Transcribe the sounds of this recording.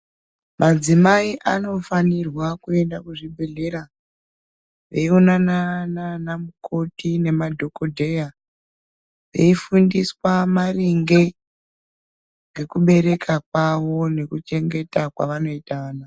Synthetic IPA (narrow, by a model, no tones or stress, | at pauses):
mad͡zimaiʔano̞fanirwakue̞ndakuʐibʱeɮe̞ɾa | ʋe̞ionanananamukʰo̞tine̞madʱo̞ko̞dʱe̞ja | ʋe̞ifundiswamariŋɡe̞ | ŋɡe̞kuɓe̞ɾe̞kʰakwaʋo̞ne̞kut͡ʃe̞ŋɡe̞takwa̰ʋano̞itaːna